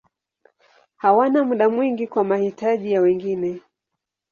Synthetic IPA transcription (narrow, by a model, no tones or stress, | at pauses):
hawanamuɗamwiŋɡikwamahitaʄijawɛŋɡinɛ